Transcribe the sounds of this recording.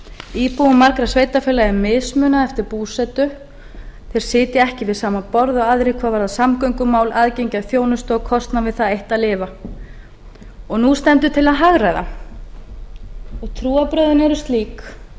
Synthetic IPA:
iːpuwʏmːaɾkɾasvejt̪afɪːlaɛɾmɪðsmʏːnaɛft̪ɪɾpuːsɛt̪ʏ | θeɾ̥sɪːt̪ɪɛhcɪvɪðsaːmapɔɾðɔɣaðɾɪjkʰvaːðvaɾðaðsamkœɥŋkʏmaːwlaðcejɲcaðθjoːwnʏst̪ɔɣkʰɔst̪navɪðθaðejht̪aðlɪːva | ɔɣnust̪ɛmt̪̬ʏt̪ʰɪlaðɦaɣɾajða̰ | ɔɣt̪ʰɾuːapɾœɥðʏnɛɾʏst̪liːk

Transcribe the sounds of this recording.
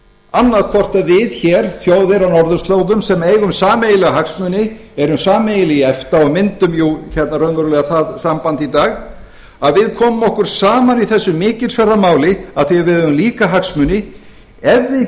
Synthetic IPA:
anːaðkʰvɔr̥t̪avɪðçɛːɾ̥θjoːwðɪɾawnɔɾðʏst̪loːwðʏmsɛmeːjɣʏmsaːmejɪlɛɣaɦaksmʏnɪɛɾʏmsaːmejɪlɪɛft̪aɔmɪnt̪ʏmjuçɛt̪naɾœnvœɾʏlɛɣaθaðsampant̪it̪aːɣ | aðvɪðkʰɔːmʏmɔhkʏɾ̥saːmaniθɛsːʏmɪːcɪlsvɛɾðamaːwlɪaðθɪavɪðʏmliːkaɦaksmʏnɪ | ɛvːɪ

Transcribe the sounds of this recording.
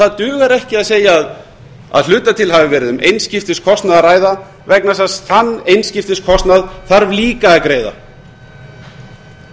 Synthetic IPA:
θaðt̪ʏːɣaɾɛhcɪaðseːjaːð | a̰ðl̥ʏːt̪at̪ʰɪlhɦavɪvɛːɾɪðʏmʔejnscɪft̪ɪskʰɔst̪naðaraːjða | vɛknasasθanːejnscɪft̪ɪskʰɔst̪naðθaɾvliːkaɛkɾeːjða̰

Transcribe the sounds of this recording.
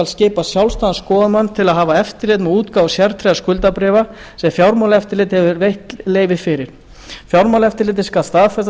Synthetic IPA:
alsceːpasjawlst̪aðaskɔːðaðmanːt̪ʰɪlaðɦaːvaɛft̪ɪɾlɪːt̪mɛðuːt̪kaːwsjaɾt̪ʰɾejaskʏlt̪apɾɛːva | sɛmfjawɾmawlɛft̪ɪɾlɪːt̪hɛvʏɾvejht̪leːjvɪðfɪɾɪɾ̥ | fjawɾmawlɛft̪ɪɾlɪːt̪̬ɪskaːst̪afɛst̪

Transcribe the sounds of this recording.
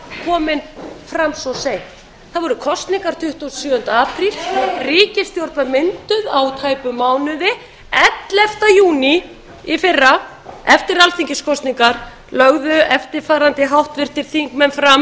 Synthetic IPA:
kʰɔːmɪnfɾamsɔsejht̪ | θaðvɔɾʏkʰɔst̪niŋkaɾ̥t̪ʰʏht̪ussjʏːʏnt̪aaːpɾilriːcɪst̪jowɾt̪mamɪnt̪ʏðawt̪ʰaːjpʏmaːwnʏðɪ | ɛt̪lɛft̪ajuːni | ifɪrːa | ɛft̪ɪɾalθiŋcɪskʰɔst̪niŋkaɾ | lœɣðʏɛft̪ɪɾfaːɾant̪ɪɦawht̪vɪr̥t̪ɪɾ̥θiŋkmɛnfɾam

